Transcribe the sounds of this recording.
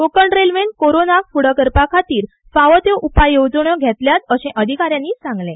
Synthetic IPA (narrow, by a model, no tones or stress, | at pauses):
okəɳɖɾelʋen̚koɾonafuɽ̤əkəɾpakʰat̪iːɾ | faʋət̪jeʔupajːowd͡zɳəɡʱɛt̪ljat̪əɕɛ̃ʔəd̪ʱikaɾjãnːiːsãŋɡlẽ